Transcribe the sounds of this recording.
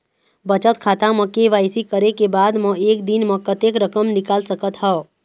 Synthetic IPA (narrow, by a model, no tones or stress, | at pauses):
bət͡ʃət̪kʰaːt̪ãməkeʋaːɪsikəɾekebaːd̪mə̃eːk̚d̪inmə̃kət̪ekɾəkəmnɪkaːlsəkət̪ɦɛ